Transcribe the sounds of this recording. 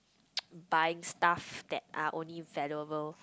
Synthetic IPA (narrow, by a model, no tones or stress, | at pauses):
bajɪ̃ŋstafd̪̥ɛt̚a̰ʔõnlivɛljuəbəl